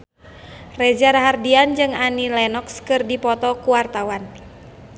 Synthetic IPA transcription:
rɛd͡ʒaɾaɦardiand͡ʒɨŋanilɛnɔkskɨrdipɔt̪ɔkuwart̪awan

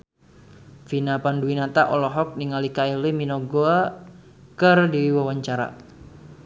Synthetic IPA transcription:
finapanduinat̪aʔɔlɔɦɔk̚niŋalikailiminɔɡoa | kərdiiwawaɲt͡ʃaɾa̰

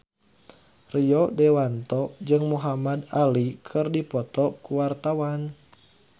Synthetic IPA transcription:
riɔdɛwant̪ɔd͡ʒɨŋmuɦamad̪alikʰɨrdipɔt̪ɔkuwart̪awan

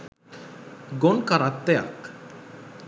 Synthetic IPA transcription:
ɡonkaɾat̪ːɛja̰k

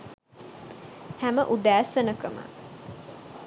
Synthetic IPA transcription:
hæməʔud̪æːsənəkəmə̰

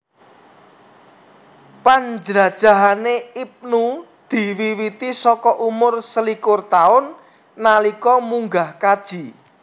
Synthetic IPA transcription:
pand͡ʒɾad̥ʒ̥a̤ɦaneip̚nu | d̪̥i̤wiwit̪isɔkɔʔumʊrsəlikʊrt̪aʊnː | alikɔmuŋɡahkad̥ʒ̥i̤

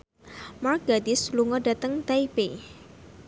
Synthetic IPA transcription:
markɡadɪsluŋɔdat̪əŋt̪aipe

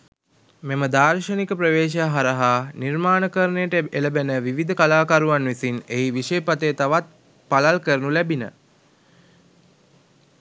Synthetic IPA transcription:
meməd̪aːrʃənikəpɾəʋeːʃ̬jaɦaɾəɦanirmaːnəkəɾənejəʈəeləbenəʋiʋid̪əkalaːkaɾuʋanʋisineiʋiʃepat̪əjət̪aʋat̪̚ | palalkəɾənulɛbinə̰

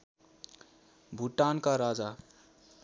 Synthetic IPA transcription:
bʱuʈːankaɾad͡za

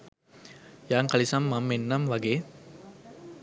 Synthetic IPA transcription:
jaːŋkalisamːamːenːamʋaɡeː

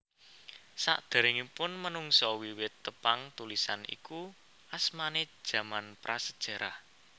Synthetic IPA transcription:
sa̰ʔd̪̥a̤ɾɪŋipʊnmənuŋsɔwiwɪt̪ːəpaŋt̪ulisa̰nḭku | asmane̥ʒ̥ä̤manpɾʔasəd̥ʒ̥ä̤ɾah

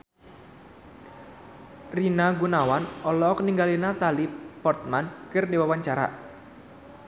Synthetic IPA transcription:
rinaɡunawanɔlɔkniŋɡalinat̪alipɔrt̪̚mankərniwawaɲt͡ʃaɾa̰ʔ

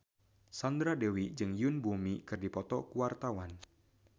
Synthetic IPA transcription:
sɔnd̪ɾadewid͡ʒɨŋjʊnbumikɨrdipɔt̪ɔkuwart̪awan

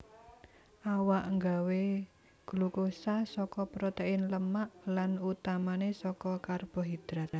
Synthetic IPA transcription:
ʔawaʔŋɡawe | ɡ̥ulukosasɔkɔpɾɔt̪eɪnləmaʔlanut̪amanesɔkɔkarb̥ɔ̤ɦid̪̥ɾat̪

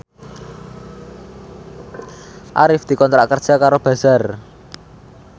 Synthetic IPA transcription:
ʔa̰ɾɪfd̪̥i̤kɔnt̪ɾaʔkər̥t͡ʃakaɾob̥ä̤z̥ar

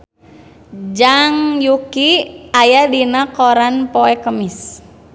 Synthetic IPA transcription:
d͡ʒaŋjukiajadinakɔɾanpɔɛkəmis

